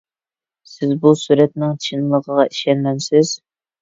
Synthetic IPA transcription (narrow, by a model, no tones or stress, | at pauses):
sɪzbusuɾɛt̪nɪŋt͡ʃʰinlˠəʁəʁɑʔiʃɛnlɛnsɪz̥